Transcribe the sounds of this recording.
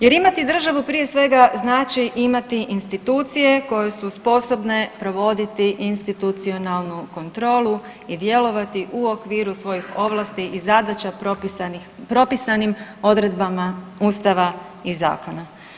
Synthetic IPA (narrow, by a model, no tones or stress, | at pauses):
je̞ɾimat̪id̪r̩ʒaʋupɾije̞sʋe̞ɡaznaːt͡ʃiʔimat̪iʔinst̪it̪uːt̪sije̞ko̞je̞suspo̞so̞bne̞pɾo̞ʋo̞d̪it̪iʔinst̪it̪ut̪sio̞nalˠnuko̞nt̪ɾo̞ːlˠu | id̪je̞lo̞ʋat̪iʔuo̞kʋiːɾusʋo̞jixo̞ʋlˠaːst̪iʔizad̪at͡ʃapo | pɾo̞pisanimo̞d̪ɾe̞d̪bamauːst̪aʋa | iza̰ːko̞na